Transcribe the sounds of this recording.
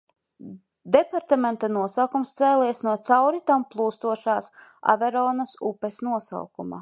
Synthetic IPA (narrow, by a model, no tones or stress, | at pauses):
d̪epaɾt̪ament̪anuɔsawkumst̪sɛːliɛsnuɔt̪sawɾit̪amplˠuːst̪uɔʃaːsa̰vɛɾɔːnɐsupesnuɔsa̰wkuma̰